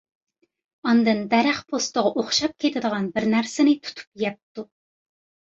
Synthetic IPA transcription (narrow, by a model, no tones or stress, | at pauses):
ɑnd̪ɨnd̪ɛɾæχpʰost̪əʁɑʔoχʃɑp̚kʲʰet̪ʰɪd̪əʁɑnbɪɾnæɾsɪnɪt̪ʰu̥t̪ʰu̥pjɛp̚t̪u